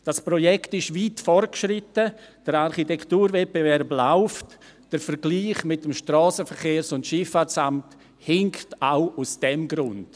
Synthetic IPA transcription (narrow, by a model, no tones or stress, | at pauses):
d̥aspɾojɛktɪʃviːtfɔrt̚kʃɾɪtəd̥əɾaɾχitɛktuːɾvɛt̚b̥evɛɾblaʊft | d̥əɾfəɾɡ̥liːχmɪtəmʃtrɔːsəfəɾχeːɾsʊntʃɪfasamt | hɪŋktaʊusd̥ɛmɡɾʊnt